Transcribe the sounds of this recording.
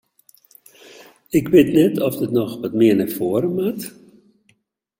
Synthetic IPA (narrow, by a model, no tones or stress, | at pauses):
ɪkʋɪtnɛtɔfdətnɔxʋɔtmɪənɛfoəɾəmat